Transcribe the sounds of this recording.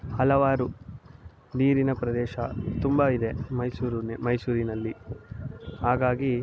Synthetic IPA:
hɐlɐʋaːɾu | niːɾinɐpɾɐd̪ɛːʃɐt̪umbɐid̪e̞mɐjsuːɾunmɐjsuːɾinɐlːi | haːɡaːɡi

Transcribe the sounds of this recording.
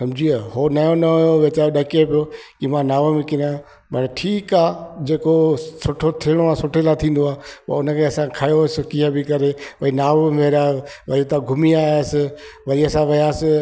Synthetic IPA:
sɐ̃md͡ʑʱiaːhoːnɐjõnɐoʋɪt͡ɕaːoɗɐkepijokimãnaːʋəmẽkɪɾã | pɐɾʈʰiːkaːd͡ʑeːkosʊʈʰot̪ʰɪɽ̃oaːsʊʈʰelat̪ʰĩːn̆d̪oaːɦpɐ̰ʊnəkʰeɐsãkʰajosɪkiɦabɪkɐɾepɐinaːʋɪmeːɾaʋɐet̪aɡʱʊmiaːsɪʋɐɾiɐsãʋɐjaːsɪ

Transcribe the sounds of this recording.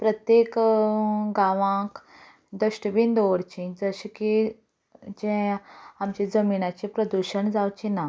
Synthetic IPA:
pɾət̪jek | ɡaʋãk | d̪əɕʈəbind̪oʋɽt͡ɕẽd͡zəɕke | t͡ɕẽamt͡ɕed͡zəminat͡ɕiẽpɾəd̪uɕəɳd͡zawt͡ɕena

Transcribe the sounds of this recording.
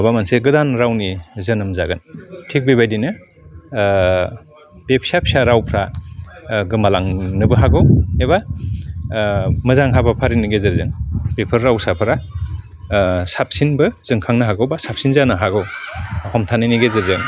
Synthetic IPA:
bamanseɡɯdanɾawnizɐnɯmzaɡɯntʰik̚bebajdinɯ | d̥epʰsapʰsaɾawpʰɾa | ɡɯmalaŋnɯbɯɦaɡɯweβa | mɯzaŋɦabapʰaɾiniɡezɯɾzɯŋpepʰɯɾːawsapʰɾa | sap̚sinbɯz̥ɯŋkʰaŋnɯɦaɡɯwbasap̚sinzanɯɦaɡɯwhɔmtʰanɯjniɡezɯɾzɯŋ

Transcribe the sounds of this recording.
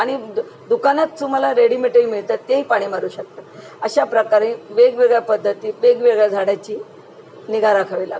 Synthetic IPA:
aɽ̃i | d̪ukanat͡st̪um̤alaɾeɽimeʈəɾimiɭt̪at̪eipaɽ̃iːməɾuːɕək̚t̪ə | əɕapɾəkaɾĩːʋeɡʋeɡɭjapəd̪ʱːət̪iːʋeɡʋeɡɭjad͡zʱaɽat͡ɕiː | niɡaɾakʰaʋila̰ɡ

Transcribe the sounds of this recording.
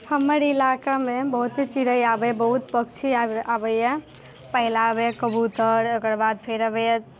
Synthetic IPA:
həməɾilakamebəɦut̪ɦit͡ʃiɾəjabəbəɦut̪pəkt͡ʃʰiaabəjja | pəɦilabekəbut̪əɾokəɾbad̪̚pʰeɾəbja

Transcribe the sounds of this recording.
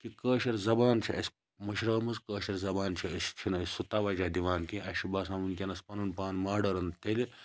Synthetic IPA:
kikəːʃɐɾzɐbaːnt͡ʃʰiɐsʲ | mɐʃɾɐːmɐzkəːʃɐɾzɐbaːnt͡ʃʰiɐsʲt͡ʃʰinɐsʲsut̪aːʋɐd͡ʒad̪iʋaːnkĩɐʃibaːsaːmunkʲenɐspɐnɐnpaːnmaːɖɐɾɐnt̪eli

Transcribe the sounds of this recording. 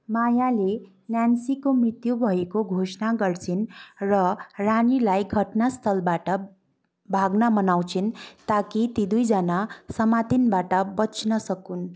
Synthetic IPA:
majale | njansikomrit̪jubʱʌekoɡʱosnaɡʌrt͡sʰinrʌranilajɡʱʌʈnast̪ʰʌlbaʈʌ | bʱaɡnamʌnaw̃t͡sʰint̪akit̪id̪ujd͡zʌnasʌmat̪inbaʈʌbʌt͡snʌsʌkun

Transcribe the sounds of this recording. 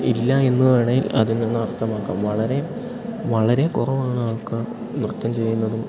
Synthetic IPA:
ilːɐe̞nːuʋeɳɐjilɐ̰ðinːenːɨɐrt̪ʰːɐmaːkːa̰ːmʋɐɭɐɾe̞ | ʋɐɭɐɾe̞kurɐʋaːɳaːɭkɨ | nrɨt̪ːɐmt͡ɕe̞jːunːɐðum

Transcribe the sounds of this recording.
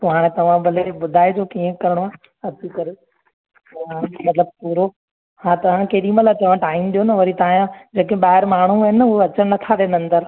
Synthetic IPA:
pɐɦaːɽ̃et̪ɐʋ̤ãbɐlebʊd̪ʱaːɪd͡ʑoːkiə̃kɐɾɽoaː | ɐt̪ikɐɾe | oɦãmɐt̪ləb̚puːɾo | hãːt̪ɐʋ̤ãkeːɾiːməlat͡ɕɐʋə̃ʈaːɪmɗijonɐʋɐɾit̪ɐãjãd͡ʑeːkẽɓaːɦɪɾmaːɽ̤̃uɦɪnoɐt͡ɕəɽ̃nɐt̪ʰaɗẽːnɐ̃nd̪əɾ

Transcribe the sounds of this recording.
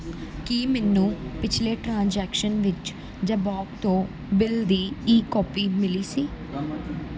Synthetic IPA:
kiːmɛːnːũːpɪt͡ʃʰleːʈɾãːnd͡ʒɛːkʃənʋɪt͡ʃ | d͡ʒaːbɔːkt̪õː | bɪld̪iːiːkɔːpiːmɪliːsiː

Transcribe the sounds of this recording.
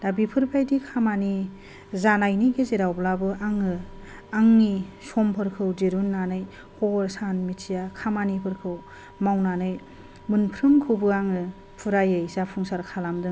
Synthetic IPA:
d̥abipʰɯɾpʰajdikʰamani | zanajniɡezeɾawblabɯaŋɯ | aŋnisɔmpʰɯɾkʰɯwdeɾunːanɯj | hɔɾsanmitʰijakʰamanipʰɯɾkʰɯw | mawnanɯj | mɯnpʰɾɯmkʰɯwbɯaŋɯ | pʰuɾajɯjsapʰuŋsaɾkʰalamdɯŋ

